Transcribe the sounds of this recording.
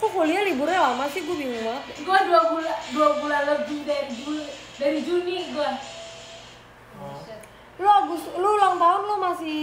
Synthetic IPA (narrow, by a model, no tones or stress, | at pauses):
kukolialibuɾalamasɪhɡuabimaɡuaduabuladuabulaləbihdaɾid͡ʒundaɾid͡ʒuniɡua | loaɡʊsluulaŋt̪aʊnlomasi